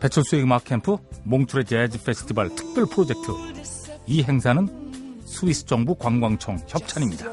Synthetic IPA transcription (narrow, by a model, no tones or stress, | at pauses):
pe̞t͡ɕʰʌɭs͈ʰueɡmakʰːempʰɯmoŋtʰuɾe̞t͡ɕead͡ʑipʰe̞sʰɯ̥tʰibaɭtʰɯ̥k̚p͈jʌɭpʰɯɾod͡ʑe̞k̚tʰɯ | iɦe̞ŋsʰanɯn | sʰuisʰɯ̥t͡ɕ͈ʌŋbukwaŋɡwaŋt͡ɕʰʌŋçjʌp̚t͡ɕʰaɲimɲida